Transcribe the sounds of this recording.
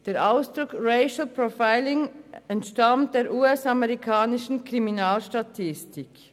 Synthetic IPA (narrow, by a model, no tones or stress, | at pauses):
d̥eːɐʔaʊsd̥ʁʊkʁeɪʃl̩pʁofaɪlɪŋɛntʃtamtd̥eːɾʔuːɛsamɛʁikʰaːnɪʃn̩kʁiminaːlʃtatʰɪstɪk